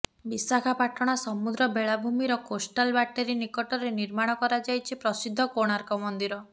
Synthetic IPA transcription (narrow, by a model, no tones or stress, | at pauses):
bisakʰapaʈɔɽ̃asɔmud̪ɾɔbeɭabʱumiɾɔkosʈalbaʈeɾinikɔʈɔɾeniɾmaɽ̃ɔkɔɾad͡ʒajt͡ʃʰipɾɔsid̪ʱːɔkoɽ̃aɾkɔmɔnd̪iɾɔ